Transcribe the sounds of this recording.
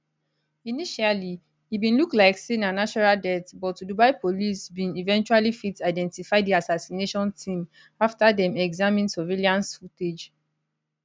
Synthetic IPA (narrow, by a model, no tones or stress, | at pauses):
iniʃali | ibĩnluklaɪksẽnãnat͡ʃɔɹaldɛtbɔtːudubaɪpʰolisbĩnivɛ̃nt͡ʃualifitaɪdɛ̃ntifaɪdiasasineʃɔ̃ntʰĩm | aftadɛ̃mɛɡzamĩnsoveliãnsfuted͡ʒ